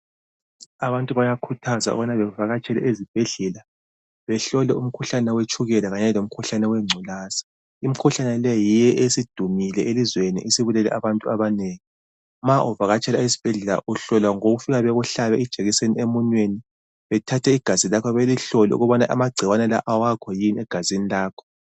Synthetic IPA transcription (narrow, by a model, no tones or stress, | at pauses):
aβantʼuβajakʰutʰazaṵβanaβɛvaɣat͡ʃʼɛlɛ̰ʔezib̥ʱeɮɛla | βɛɬɔlɛum̩kʰuɬanɛwet͡ʃʰʼuɣɛlaɣaɲɛlom̩kʰuɬanɛwɛŋ͡ǀʱulaːsḁ | im̩kʰuɬanɛlɛjijɛʔesid̥ʱumilɛʔelizwenḭʔesiβulɛlɛ̰ʔaβantʼuaβaneːŋi | maʔuvaɣat͡ʃʰʼɛlaezib̥ʱɛɮɛla̰ʔuɬɔlwaŋoɣufiɣaβɛɣuɬaβɛid̥ʒ̥ʱeɣiseniemunweni | βɛtʰatʰɛiɡ̥ʱazilakʰɔβeliɬɔlɛ̰ṵɣɔβana̰ʔa̰maɡ͡ǀʱiwanɛlaʔawakʰɔjinɛɡ̥ʱazinilaːkʰɔ̥